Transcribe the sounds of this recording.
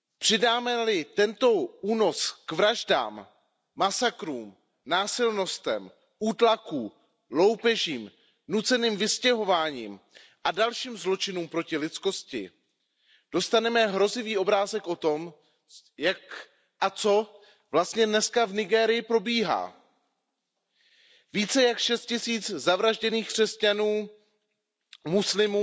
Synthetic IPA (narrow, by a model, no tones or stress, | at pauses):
pr̝̥ɪdaːmɛlɪt̪ɛnt̪o̞ʔuːno̞skvɾaʒda̰ːmː | asakɾuːm | naːsɪlno̞st̪ɛ̰m | ʔuːt̪lakuː | lo̞wpɛʒiːm | nut͡sɛniːmvɪscɛɦo̞vaːɲiːm | ʔadalʃiːmzlo̞t͡ʃɪnuːmpɾocɪlɪt͡sko̞scɪ̰ | d̥o̞st̪anɛmɛɦɾo̞zɪviːʔo̞bɾaːzɛkʔo̞t̪o̞m | jak | ʔat͡so̞ | vlast̪ɲɛdnɛskavnɪɡɛːɾɪjɪpɾo̞biːɦa̰ː | viːt͡sɛjakʃɛst̪̚cɪsiːt͡szavɾaʒɟɛniːxkr̥ɛscanuː | muslɪmuː